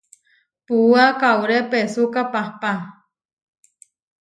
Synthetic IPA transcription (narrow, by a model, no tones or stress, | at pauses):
puakawɾepesukapahpa